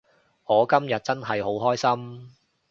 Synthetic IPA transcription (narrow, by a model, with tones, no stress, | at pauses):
ŋɔː˨˧kɐ˥mjɐ˨t̚t͡sɐ˥nɦɐ˨jɦo˨˥wɦɔː˥jsɐ˥m